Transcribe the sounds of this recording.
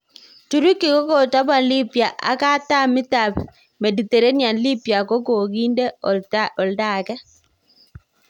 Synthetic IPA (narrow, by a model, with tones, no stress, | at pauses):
tu˨ɾu˦ki˨ko˦ko˨ta˦ba˨nli˦pja˨ʔa̰˨ka˦ta˦mɪ˦ta˨b | me˨di˨t̪e˨ɾe˦nja˨nli˦pja˨ko˦ko˨ɡi˦nde˦ɔ˨lda˦˨kɛ˦